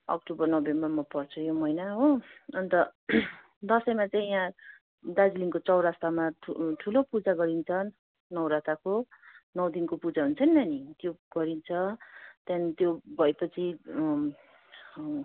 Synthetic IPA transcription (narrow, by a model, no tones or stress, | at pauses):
ʌ̰k̚ʈobʌrnʌbemmamʌpʌrt͡sʰʌjomʌjnaɦoʌnt̪ʌ | d̪ʌsʌjmat͡saĩjã | d̪ad͡ziliŋkot͡sʌwɾast̪amaʈʰulopud͡zaɡʌɾint͡sʰʌn | nʌwɾat̪akonʌwd̪inkopud͡zaɦunt͡sʰʌninanit̪joɡ̥ʌɾint͡sʰʌt̪jant̪jobʱʌjpʌt͡sʰi